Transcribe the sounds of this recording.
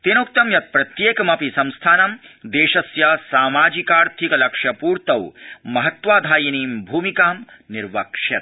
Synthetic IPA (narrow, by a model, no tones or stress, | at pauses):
t̪enuk̚t̪ɐmjɐt̪̚pɾɐt̪jeːkɐmɐpisɐmst̪ʰaːnɐmd̪eːʃɐsjasaːmaːd͡ʒikaːɾt̪ʰikɐlɐkʂjɐpuːɾt̪ɐwmɐɦɐt̪ʋaːd̪ʱaːjiniːmbʱuːmikaːm | niɾʋɐkʂjɐt̪̚